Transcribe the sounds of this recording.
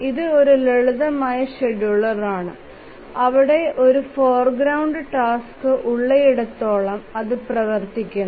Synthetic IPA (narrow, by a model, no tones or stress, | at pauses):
iðɨo̞ɾuleɻuðɐmaːjɐɕeɖjuɭɐraːɳɨ | ɐʋiɽe̞ʔo̞ɾufoːrɡɾɐwɳɖɨʈaːskɨʔuɭːeiɽɐt̪ːo̞ːɭɐmɐðɨprɐʋɐrt̪ikʲːɐn